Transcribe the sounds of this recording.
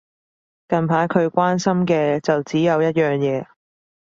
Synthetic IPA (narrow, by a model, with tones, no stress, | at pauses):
kɐ˨npʰaː˨˥jkʰɵ˨˧ɥkʷaː˥nsɐ˥mkɛː˧t͡sɐ˨wt͡siː˨˥jɐ˨˧wjɐ˥t̚jœː˨˩ŋjɛː˨˧